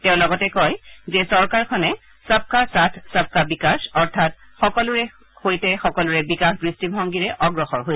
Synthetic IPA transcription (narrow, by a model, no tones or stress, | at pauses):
tɛʊ̃lɔɡɔtɛkɔjzɛsɔɹkaɹkʰɔnɛ | sap̚kasatʰsap̚kabikasɔɹtʰat | xɔkɔlʊɹɛ | hojtɛxɔkɔlʊɹɛbikaxbɹistibʱɔŋɡiɹɛʔɔɡɹɔxɔɹɦojs